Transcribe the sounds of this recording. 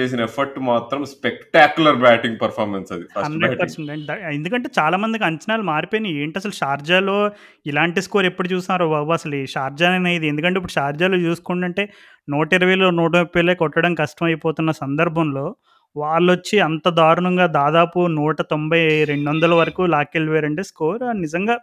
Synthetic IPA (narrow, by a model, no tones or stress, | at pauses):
t͡ʃeːs̬inɐepʰɐɾʈmaːt̪ɾɐmspekʈaːkjulɐɾbaːʈiŋɡ̚pɐɾpʰaːɾmensɐd̪iɐɐɳɖpɐɾsɐɳʈeɳɐend̪ukɐɳʈe̞ːt͡ʃaːlaːmɐnd̪ikiɐɲt͡ʃɐnaːlumaːɾipojinieːɳʈɐs̬ɐluʃaːɾd͡ʒaːlo̞ː | ilaːɳʈiskoːɾepːuɽut͡ʃuːsnːaːɾuɐbɐsɐliʃaːɾd͡ʒaːnenɐjid̪iend̪ukɐɳʈeip̬ːuɽuʃaːɾd͡ʒaːloːt͡ʃuːsu̥kuɳʈɐɳʈe̞ː | nuːʈɐiɾɐʋɐjloːnuːʈ̬ɐpːileːkɔʈːɐɽɐmkɐʂʈɐmɐjipoːt̪unːɐsɐnd̪ɐɾbʱɐmlo̞ː | ʋaːɭːot͡ʃːiɐnt̪ɐd̪aːɾuɳɐŋɡaːd̪aːd̪aːpunuːʈɐt̪o̞mbɐjɾe̞ɳɖʋond̪ɐlɐʋɐɾɐkuːlaːkelʋeːɾɐɳʈeːskoːɾɐnizɐŋɡaː